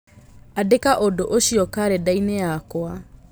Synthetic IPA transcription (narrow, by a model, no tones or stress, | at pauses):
adekaʔodoʔoɕiɔkaɾɛdainejakoa